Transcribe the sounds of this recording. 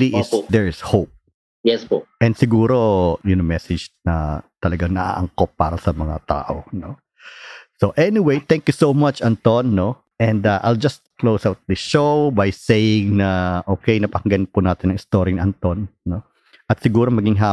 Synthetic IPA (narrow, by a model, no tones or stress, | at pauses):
liʔɪsd̪ɛɹɪshop̚ | jɛsoʔɛnd̪sɪɡuːɾo̞jʊnɐmɛsɛd͡ʒnɐ̰t̪ɐlɐɡaŋnɐ̰ʔa̰ːʔɐ̰ŋkopːa̰ːɾɐsɐmɐŋa̰t̪a̰ːʔo̰no | soʔɛnɪwejt̪ɛ̃ŋkjusowmat͡ʃʔɐnt̪onːo | ʔɛ̃nd̪aʔa̰jld͡ʒɐst̪̚klowsawt̪̚d̪ɐʃowbɐjsejɪŋnɐʔoːkejnɐpɐŋɡɐnpʊnaːt̪ɪnɐ̃ŋɪst̪oɾiŋnʔɐnt̪onːo | ʔɐt̪sɪɡuːɾomɐɡɪŋɦaː